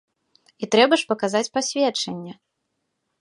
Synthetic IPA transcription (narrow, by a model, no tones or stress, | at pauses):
it̪ɾɛbɐʂpɐkazat͡sʲpasʲvʲɛt͡ʂɐnʲːɛ